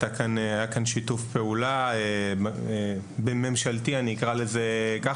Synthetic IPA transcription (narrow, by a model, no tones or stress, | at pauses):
t̪akanajakanʃitufpe̞ulae | be̞me̞mʃaltianiːkʁale̞zeka